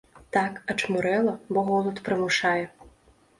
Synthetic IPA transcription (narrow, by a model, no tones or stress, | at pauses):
t̪akɐt͡ʂmuɾɛlˠɐbɔɣɔlˠut̪pɾɨmʊʂajɛ